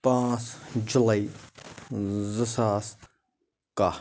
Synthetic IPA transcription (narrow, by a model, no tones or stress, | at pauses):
pãːt͡sd͡ʒulai | zəsaːs | ka